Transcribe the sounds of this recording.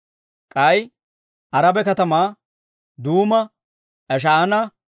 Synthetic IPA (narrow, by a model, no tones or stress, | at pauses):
kʼɐj | ʔɐɾɐbɛkɐt̪ɐmaː | d̪uːmɐ | ʔɛʃ̬ɐːnɐ